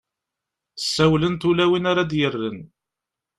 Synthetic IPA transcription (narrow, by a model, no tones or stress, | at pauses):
ə̥sːæwlənt̪ulæwinaɾad̪jərːən